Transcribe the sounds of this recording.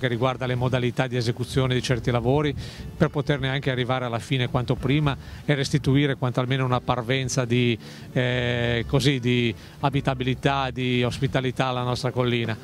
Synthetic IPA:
kerːiɡward̪alemod̪alit̪ad̪iezekut̪sːjoːned̪it͡ʃɛrt̪ilavoːɾiperpot̪erneaŋkearːivaːɾealːafiːnekwant̪opɾiːmaerːest̪it̪uiːɾekwant̪oalmeːnounapːarvɛnt̪sad̪i | kozid̪i | abit̪abilit̪ad̪iospit̪alit̪aːlːanɔst̪ɾakolːiːna

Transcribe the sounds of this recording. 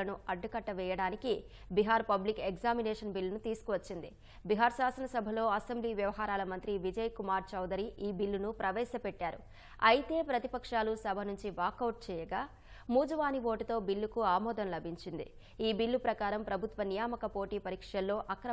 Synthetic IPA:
ɐnuɐɖːɐkɐʈːɐʋɛːjɐɽaːniki | biɦaːɾpɐblikeɡzaːminɛːʂɐnbilːunut̪iːsu̥kuʋɐt͡ʃːind̪ḭ | biɦaːɾsaːsɐnɐsɐbʱɐlo̞ːɐsembliːʋjɐʋɐɦaːɾaːlɐmɐnt̪ɾiʋid͡ʒɐjkumaːɾt͡ʃɐwd̪ɐɾiʔiːbilːunupɾʔɐʋɛːsɐpɛʈːaːɾṵ | ɐjit̪e̞ːpɾɐt̪ipɐkʂaːlusɐbʱɐnuɲt͡ʃiʋaːkɐwʈ̚t͡ʃɛːjɐɡaː | muːd͡ʒɐʋaːniʋo̞ːʈit̪o̞ːbilːukuaːmɔːd̪ɐnlɐbʱiɲt͡ʃind̪ḭ | iːbilːupɾɐkaːɾɐmpɾɐbʱut̪ʋɐnijaːmɐkɐpo̞ːʈiːpɐɾiːkʂɐlːo̞ːʔɐkɾɐ

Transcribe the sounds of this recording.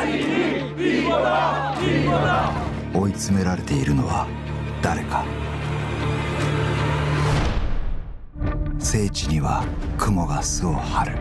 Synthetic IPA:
o̞it͡sɨme̞ɾaɾe̞t̪e̞iɾɯ̟no̞βa̰ | d̪̥aɾe̞ka | se̞ːt͡ɕiɲ̟iβakʰɯ̟mo̞ɡasɨohaɾɯ̟

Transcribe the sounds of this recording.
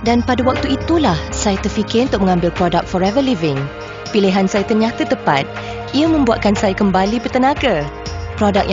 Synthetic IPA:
danpadawak̚t̪uit̪ulahsajat̪ərfikɪrunt̪ʊk̚mə̃ŋãmbɪlpɾodak̪̚fɔɾɛvəlivɪŋ | piliɦansajat̪əɲãt̪ət̪əpa̰t̪̚ | iəmə̃mbuaʔ̪̚kansajakəmbalipərt̪ənãɡa | pɾodak̚j

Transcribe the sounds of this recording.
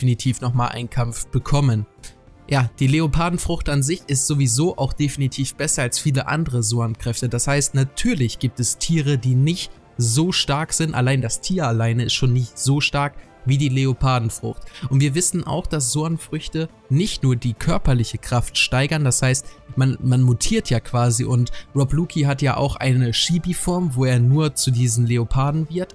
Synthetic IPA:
finitʰiːfnɔχmaːlʔa̰ɪnkʰamfb̥əkʰɔmən | jaːd̥iːleopʰaːdn̩fʁ̥ʊxtanzɪçɪstz̥ovizoːʔaʊxd̥efinitʰiːfb̥ɛsɐalsfiːləʔa̰ndəʁəzoɐnkʁ̥ɛftədashaɪstnatʰyːɐlɪçɡ̥iːp̚tɛstʰiːʁədiːnɪçt | zoːʃtaɐkz̥ɪntʔa̰laɪndastʰiːɐalaɪnəɪstʃoːnːɪçtz̥oːʃtaɐk | viːdiːleopʰaːdn̩fʁ̥ʊ̰xtʊntv̥iːɐvɪsn̩ʔa̰ʊxd̥as̬z̥oɐnfʁ̥ʏçtə | nɪçtnuːɐdiːkʰœɐpɐlɪçəkʁ̥aftʃtaɪɡɐndashaɪstmanmanmutʰiːɐtʰjaːkv̥aːziʔʊntʁɔbluːkʰiɦatjaːʔa̰ʊxʔa̰ɪnəʃiːbifɔɐmvoːeːɐnuːɐt͡sudiːzn̩leopʰaːdn̩vɪɐt

